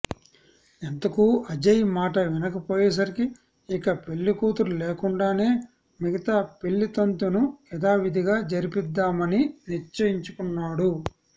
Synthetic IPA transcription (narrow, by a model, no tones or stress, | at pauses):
ent̪ɐkuɐd͡ʒɐjmaːʈɐʋinɐkɐpoːjɛːs̬ɐɾikiː | kɐpe̞ɭːikuːt̪uɾuleːkuɳɖaːne̞ː | miɡɐt̪aːpeɭːit̪ɐnt̪unuɛd̪aːʋid̪ʱiɡaːd͡ʒɐɾipid̪ːaːmɐniniɾt͡ʃːɐjiɲt͡ʃukunːaːɽu